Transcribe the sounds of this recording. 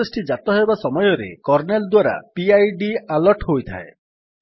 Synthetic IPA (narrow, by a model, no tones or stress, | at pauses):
esʈid͡ʒat̪ɔɦebasɔmɔjɔɾḛkɔɾneld̪waɾa̰piajɖialɔɾʈɦojt̪ʰa̰e